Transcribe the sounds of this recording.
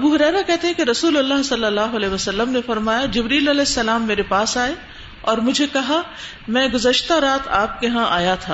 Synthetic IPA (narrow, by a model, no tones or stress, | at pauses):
ɐbuːɦʊɾɛːɾakɛɦt̪eɦɛ̃keɾɐsuːlɐlːaɦsɐlːəlːaːɦʊɐlɛːʋɐsɐlːəmnefɐɾmaːjad͡ʒɪbɾiːlɐlɛːɪsːɐlaːmːeːɾepaːsaːe | ɔːɾmʊd͡ʒʱekɐɦa | mɛ̃ːɡʊzəʃt̪aɾaːt̪ʰaːp̚keɦãʔaːjat̪ʰaː